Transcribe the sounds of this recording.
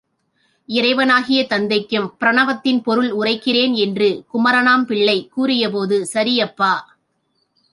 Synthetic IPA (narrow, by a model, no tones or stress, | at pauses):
ɪɾɐɪʋɐnaːɣɪjɐt̪ɐnd̪ɐɪkːɯmpɪɾɐɳɐʋɐt̪ːɪnpɔɾɯɭʊrɐɪkːɪreːnɛndrɯkʊmɐɾɐnaːmpɪɭːɐɪkːuːrɪjɐp̬oːðɯsɐɾɪjɐpːaː